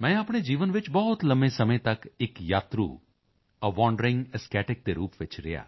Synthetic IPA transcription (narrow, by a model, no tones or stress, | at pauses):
mɛ̃ːɐpɽ̃ed͡ʒiːʋənʋɪt͡ʃbɔɦʊt̪ləmesɐməẽt̪ɐkɪkjaːt̪ɾṵ | əʋɔːɳɖɾɪ̃ŋɡəskɛːʈɪk̚t̪eɾuːpʋɪt͡ʃɾɪ̰ja̰ː